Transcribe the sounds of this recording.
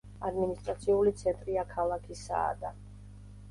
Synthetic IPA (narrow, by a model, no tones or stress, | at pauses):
ad̪minist̪ʼɾat̪sʰiulit̪sʰɛnt̪ʼɾiakʰalˠakʰisa̰ːd̪a